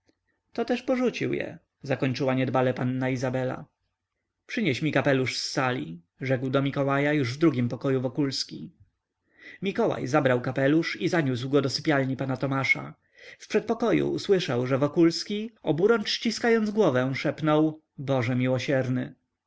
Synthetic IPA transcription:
t̪ɔt̪ɛʂpɔʐut͡ɕiwjɛ̰ | zakɔɲt͡ʂɘwaɲɛd̪balɛpanːaizabɛla̰ | pʂɘɲɛɕmʲikapɛluʂsːalʲi | ʐɛkwd̪ɔmʲikɔwajajuʐvd̪ɾuɡʲimpɔkɔjuvɔkulskʲi | mʲikɔwa̰jzabɾawkapɛluʂizaɲus̬wɡɔd̪ɔsɘpʲjalɲipanat̪ɔmaʂa̰ | fpʂɛt̪̚pɔkɔjṵːswɘʂawʐɛvɔkulskʲiɔbuɾɔnt͡ʂɕt͡ɕiskajɔnd̪zɡwɔvɛ̃ʂɛpnɔw | bɔʐɛmʲiwɔɕɛɾnɘ

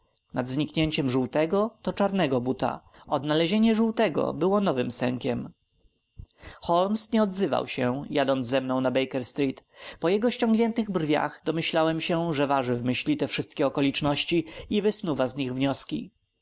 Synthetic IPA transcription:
nad̪zɲikɲeɲt͡ɕɛmʐuwt̪ɛɡɔt̪ɔt͡ʂaɾnɛɡɔbut̪a̰ɔd̪nalɛʑeɲɛʐuwt̪ɛɡɔ̰bɘwɔnɔvɘmsɛŋkʲɛm | xɔlmsɲɛɔd̪zɘva̰wɕɛjad̪ɔnzzɛmnɔ̃w̃nabɛjkɛɾst̪ɾʲit̪pɔjɛɡɔɕt͡ɕɔŋɡɲɛnt̪ɘɣbrvʲja̰xd̪ɔmɘɕlawɛmɕɛʐɛvaʐɘvmɘɕlʲit̪ɛfʂɘst̪̚kʲɛɔkɔlʲit͡ʂnɔɕt͡ɕiivɘsnuvazɲiɣvɲɔskʲḭ

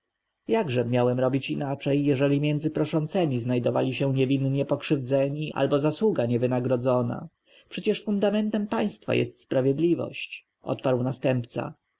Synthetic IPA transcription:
jaɡʐɛmʲjawɛmɾɔbʲit͡ɕinat͡ʂɛjːɛʐɛlʲimʲjɛnzɘpɾɔʂɔnt̪sɛmʲiznajd̪ɔva̰lʲiɕɛ̃ɲɛvʲinɲɛpɔkʂɘvd̪zɛɲiʔa̰lbɔzaswuɡaɲɛvɘnaɡɾɔd̪zɔna̰ | pʂɛt͡ɕɛʂfund̪amɛnt̪ɛmpaj̃st̪fa̰jɛ̰st̪spɾavʲjɛd̪lʲivɔ̰ɕt͡ɕ | ʔɔ̰t̪̚paɾwnast̪ɛmpt̪sa̰

